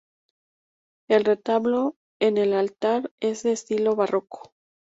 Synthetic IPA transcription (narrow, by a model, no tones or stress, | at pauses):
e̞lre̞t̪aβlo̞ | enelalt̪aɾe̞zðeːst̪ilo̞βaro̞ko̥